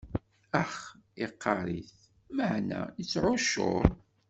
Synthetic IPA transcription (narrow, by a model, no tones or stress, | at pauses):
æχeqːɑɾˤiθ | maʕnæ̰jət͡sːʕʊʃo̰ɾ